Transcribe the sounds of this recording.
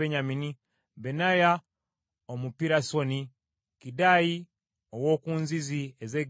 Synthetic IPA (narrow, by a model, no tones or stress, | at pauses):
eɲamini | benaja | omupiɾasoni | kidaji | owoːkuːnziziezeɡ